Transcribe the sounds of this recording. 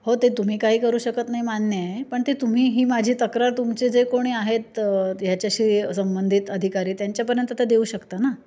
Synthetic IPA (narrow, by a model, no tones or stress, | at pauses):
hot̪et̪um̤iːkaɦiːkəɾuːɕəkət̪naɦimanjəepəɳt̪et̪um̤iːɦiːmad͡ʑʱiːt̪əkɾaɾt̪umt͡sed͡zekoɽ̃iːaɦet̪jat͡ɕjaɕiːsəmbənd̪ʱit̪əd̪ʱikaɾiːt̪jaɲt͡ɕjapəɾjənt̪ət̪ed̪euːɕəkt̪ana